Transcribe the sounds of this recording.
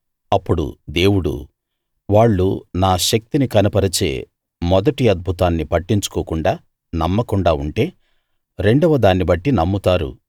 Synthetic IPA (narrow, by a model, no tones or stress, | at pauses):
ɐpːuɽṵd̪e̞ːwuɽṵ | ʋaːɭːṵnaːʃɐk̚t̪inikɐnɐpɐɾɐt͡ʃe̞ː | mɔd̪ɐʈiɐd̪̚bʱut̪aːnːipɐʈːiɲt͡ʃu̥koːkuɳɖaː | nɐmːɐkuɳɖaːuɳʈe̞ː | ɾe̞ɳɖɐʋɐd̪aːnːibɐʈːinɐmːut̪aːɾṵ